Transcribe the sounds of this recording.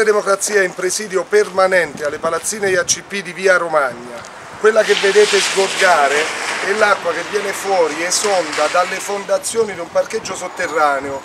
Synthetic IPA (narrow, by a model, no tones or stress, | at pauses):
ed̪emokɾat̪sːiːaɛimpɾesiːd̪jopermanɛnt̪ealːepalat̪sːiːnejat͡ʃːipːid̪iviːaɾomaɲːa | kwelːakevːed̪eːt̪ezɡorɡaːɾeɛlːakːwakevːjɛːnefwɔːɾiɛsɔnd̪ad̪alːefond̪at̪sːjoːnid̪umparked͡ʒːosot̪ːerːaːneo